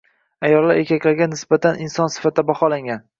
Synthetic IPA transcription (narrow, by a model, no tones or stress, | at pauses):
ajɒlˠlːaɾe̞kʲʰakʲlaɾɡʲanɪsbat̪ʰaninsɒnsɪ̥fat̪̚ʰːabaχɒlaŋɡʲan